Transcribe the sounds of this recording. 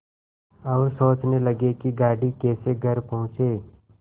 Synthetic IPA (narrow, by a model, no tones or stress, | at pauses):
ɐʋsoːt͡ʃnelɐɡekiɡaːɽikɛːseɡʱɐɾpɐɦʊ̃t͡ʃeː